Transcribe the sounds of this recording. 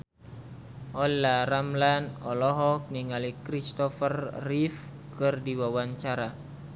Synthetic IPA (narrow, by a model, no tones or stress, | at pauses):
ʔɔlːaɾamlanɔlɔɦɔk̚niŋalikɾist̪ɔfərːif | kərdiwawaɲt͡ʃaɾa